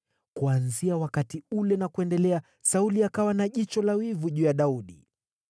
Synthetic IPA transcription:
kuanziawakatiulɛnakuɛndɛlɛa | sauliakawanaʄit͡ʃɔlawivuʄuːjaɗauɗi

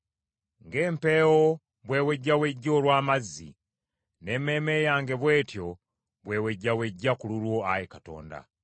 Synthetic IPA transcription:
ŋɡeːmpe̞ːwo | βwe̞ːweɟːaweɟːo̞ːlwaːmazːḭ | ne̞ːme̞ːme̞jaːŋɡe̞βwe̞ːtjo̞ | βwe̞ːweɟːaweɟːakululwo̞ajekato̞̰ːnda̰

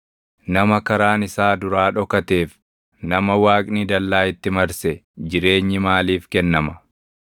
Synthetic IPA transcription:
nɐmɐkɐɾaːnɪsaːd̪ʊɾaːᶑɔkɐt̪eːf | nɐmɐwaːkʼnid̪ɐlːaːɪt̪ːɪmɐɾsɛd͡ʒɪɾe̞ːɲːɪmaːliːfkɛnːɐmɐ

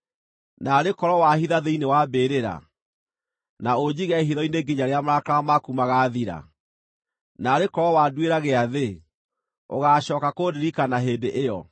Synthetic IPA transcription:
naɾekɔɾɔwahiðaðeinewabeːɾeɾa̰ | naod͡ʑiɣɛɦiðɔineɡiɲaɾeamɾakaamakumaɣaːðiɾa̰ | naɾekɔɾɔwaːdweɾaɣeaðe | oɣaːɕɔːkakodiɾikanaɦeːdeʔejɔ̰

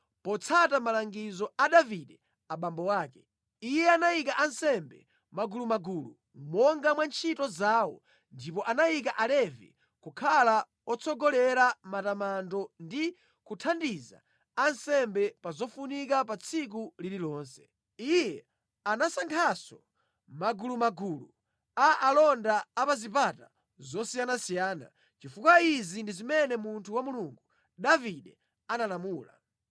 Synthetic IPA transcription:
pɔt͡sʰatamalaŋɡizɔaɗaviɗɛ | aɓambɔwaːkɛ | ijɛanajikaʔansɛmbɛ̰ | maɡulumaɡuːlṵ | mɔŋɡamwant͡ʃʰitɔzawɔ̰ | ndipɔʔanajik̬aʔalɛvḭ | kukʰala | ɔt͡sʰɔɡɔlɛɾamatamandɔndi | kutʰandiza̰ | ansɛmbɛpazɔfunikapat͡sʰik̬ulililɔːnsɛ̥ | ijɛ | anasaŋkʰasɔ | maɡulumaɡuːlu | aʔalɔndaːpazipata | zɔsijanasijaːna̰ | t͡ʃifukwaizindizimɛnɛmuntʰuwamuluŋɡu | ɗaviɗɛ | analamuːla̰

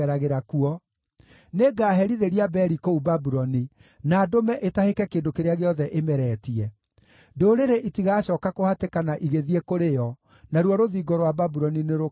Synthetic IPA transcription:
ɛɾaɣeɾakuɔ | neɡaːɦɛɾiðeɾiabɛɾikoubabuɾɔni | naːdomɛʔetahekɛkeːndokeɾeaɣeɔðɛʔemɛɾɛːtiɛ | ndoːɾeɾeʔitiɣaːɕɔːkakohatekanaʔiɣeðiekoɾejɔ | naɾwɔɾoðiːɡɔɾowababuɾɔnineɾo

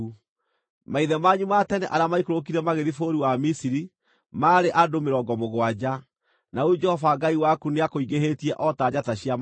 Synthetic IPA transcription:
maiðɛmaɲumatɛneʔaɾamaikoɾok̬iɾɛmaɣeðifoɾiwamisiɾi | maːɾeʔadomeɾɔːɡɔmoɣwad͡ʑa | naud͡ʒɛhɔfaɡaiwakuneakoiɣeɦetiɛʔɔtaːɟataɕiam

